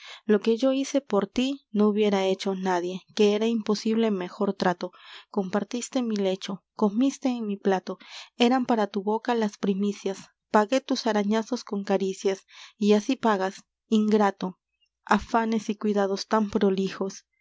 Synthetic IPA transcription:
loke̞ʝoise̞poɾt̪inouβjeɾaet͡ʃonaðje̞keeɾaimposiβ̞lemexo̞ɾt̪ɾat̪okompaɾt̪ist̪emile̞t͡ʃo̞komist̪eːŋmiplat̪oeɾampaɾat̪uβokalaspɾimisjas | paɣe̞t̪usaɾaɲasoskoŋkaɾisjasiasipaɣas | iŋɡɾat̪o | afanesikwiðaðost̪ampɾolixos

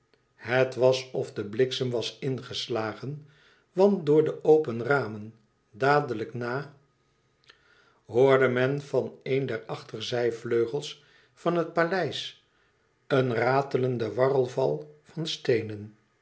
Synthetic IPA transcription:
hətʋɑsɔfdəblɪksəmʋɑsɪnχəslaːχən | ʋɑnt̚dʊːɹdəʔowpənraːmən | daːdələknaː | ɦʊːɹdəmɛnv̥ɑnejndɛɹɑχtəɹzɛjvløɥχəlˠs | fɑnɦət̚palɛjs | ənraːtələndəʋɑrəlˠvɑlˠvɑnstejnən

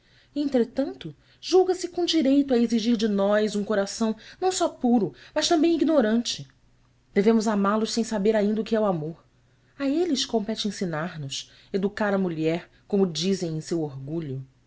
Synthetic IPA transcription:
ẽnt̪ɾet̪ɐ̃nt̪ʊ | ʒ̥uwɡɐsɪkõw̃d͡ʒiɾejt̪ʊaeziʒiɾd͡ʒɪnɔjzũkoɾasɐ̃w̃nɐ̃w̃sɔpuɾʊmɐʃt̪ɐ̃mbẽj̃iɡnoɾɐ̃nt͡ʃɪ | d̪̥evẽmʊzamalʊʃsẽj̃sabeɾaĩnd̪ɐukɪɛwamoɾ | aelɪʃkõmpɛt͡ʃɪẽsinaɾnʊs | ed̪ukaɾɐmuʎɛɾ | kõmʊd͡ʒizẽj̃ẽj̃sewoɾɡuʎʊ

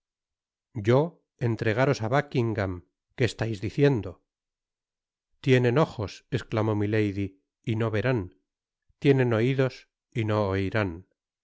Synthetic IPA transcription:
ɟ͡ʝo̞ | e̞nt̪ɾe̞ɣ̞aɾo̞saβakiŋɡam | ke̞ːst̪ajzðiθje̞nd̪o | t̪je̞ne̞no̞χo̞se̞sklamo̞mile̞jði | ino̞βe̞ɾan | t̪je̞nẽ̞no̞iðo̞s | ino̞ːjɾan

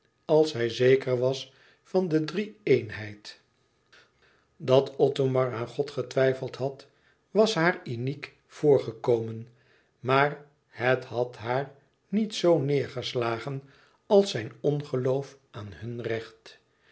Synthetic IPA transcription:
ɑlˠsɦɛjzejkəɹʋɑs | fɑndədriejnɦɛjt | dɑtʰɔtomɑɹaːnχɔtχətʋɛjfəlˠtɦɑt | ʋɑsɦaːɹynik | fʊːɹχəkowmən | maːɹ | hətɦɑtɦaːɹ | nitsownɪːɹχəslaːχən | ɑlˠsɛjnɔnχəlowfʔaːnhɵnrɛχt

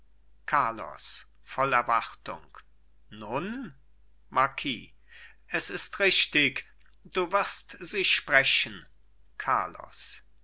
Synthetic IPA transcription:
kʰaɐlɔ̰s | fɔlɛɐvaʁtʊ̰ŋk | nʊn | maɐkʰḭː | ʔɛsɪstʁɪʃtɪk | d̥uːvɪʁstz̥iːʃpʁ̥ɛçən̩ | kʰa̰ɐlɔ̰s

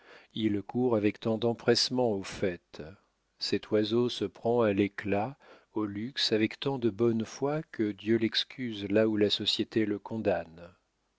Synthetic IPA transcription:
ilkuʁavɛkt̪ɑ̃d̪ɑ̃pχɛsmɑ̃ofɛt̪ | sɛt̪wazosəpχɑ̃alekla | olyksavɛkt̪ɑ̃d̪əbɔnfwakəd̪jølɛkskʲʰyzlaulasɔsjet̪eləkɔ̃d̪an

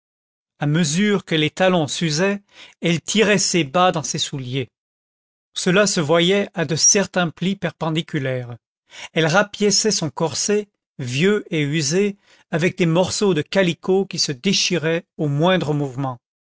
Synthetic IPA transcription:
aməzyʁkəlet̪alɔ̃syzɛ | ɛlt̪ʰiʁɛsebad̪ɑ̃sesulje | səlasəvwajɛad̪əsɛʁt̪ɛ̃plipɛʁpɑ̃d̪ikʲylɛːʁ | ɛlʁapjɛsɛsɔ̃kɔʁse | vjøeyze | avɛk̚d̪emɔʁsod̪əkalikʰokʲisəd̪eʃiʁɛomwɛ̃d̪ʁəmuvmɑ̃

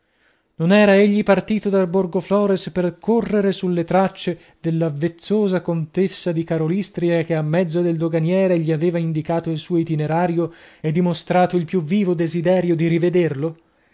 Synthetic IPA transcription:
nonɛːɾaeʎːipart̪iːt̪od̪alborɡoflɔːɾesperkorːeɾesulːet̪ɾat͡ʃːe | d̪elːavːet̪sːoːzakont̪esːad̪ikaɾolist̪ɾiak̟eamːɛd̪zːod̪eld̪oɡanjɛːɾeʎiaveːvaind̪ikaːt̪oilsuːoit̪ineɾaːɾjoed̪ːimost̪ɾaːt̪oilpjuvːiːvod̪ezid̪ɛːɾjod̪iɾived̪erlo

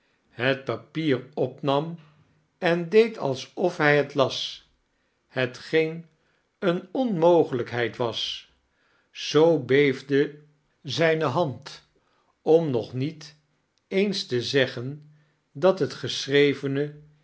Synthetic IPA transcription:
ɦət̚papiːɹɔpnɑm | ɛndejtʰɑ̰lˠsɔfɦɛjɦətlɑs | hətχejn | ənɔnmowχələkɦɛjtʋɑs | z̥owbejvdə | zɛjnəɦɑnt | ɔmnɔχnit | ejnstəzɛχən | dɑtɦətχəsrejvənə

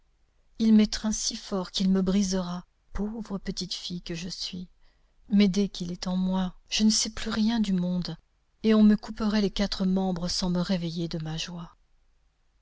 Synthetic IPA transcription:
ilmɛt̪χɛ̃sifɔʁkʲilməbʁizəʁa | povʁəpət̪it̪fijkəʒəsɥi | mɛd̪ɛkʲilɛt̪ɑ̃mwaʒ̥ənəsɛplyʁjɛ̃d̪ymɔ̃d̪ | eɔ̃məkupəʁɛlekat̪χəmɑ̃bʁəsɑ̃məʁevejed̪əmaʒwa

